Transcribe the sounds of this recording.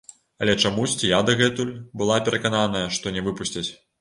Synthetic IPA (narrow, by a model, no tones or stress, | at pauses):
ɐlʲɛt͡ʂamusʲt͡sʲijad̪ɐɣɛt̪ulʲbɨlˠapʲɛɾʔɐkananɐjɐʂt̪ɔnʲɛvɨpusʲt͡sʲɐt͡sʲ